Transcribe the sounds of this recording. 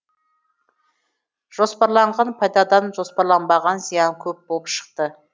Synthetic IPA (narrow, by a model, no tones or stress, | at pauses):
ʒ̥o̞spɑɾlˠɑɴʁɑnpʰɑjd̪ɑd̪ɑnʒo̞spɑɾlˠɑnbɑʁɑnzijɑŋkʲʰɵp̚bolˠəpʃə̥q̚t̪ə